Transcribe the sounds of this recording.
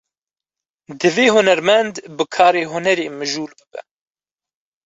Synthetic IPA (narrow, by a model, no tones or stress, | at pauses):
d̪ɨveːɦʊnɛɾmɛnd̪bɨkʰɑːɾeːɦʊnɛɾeːmɨʒuːlbɨbɛ̰